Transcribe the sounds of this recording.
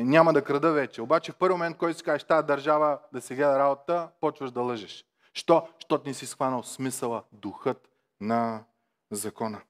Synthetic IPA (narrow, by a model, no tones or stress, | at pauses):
nʲamɐd̪ɐkɾɐd̪ɤvɛt͡ʃɛobat͡ʃɛfpɤɾvʲimõmɛnt̪̚kɔjt̪ʊsi̥kaʒɛʃt̪aɛd̪ɐɾʒavəd̪ɐsiɡlɛd̪ɐɾabot̪t̪əpɔt͡ʃvəʒd̪ɐlˠɤʒɛʃ | ʃt̪ɔʃt̪ɔt̪nisisxvanəlˠsmisəlˠəd̪uxɤt̪ | nɐ | zɐkɔnə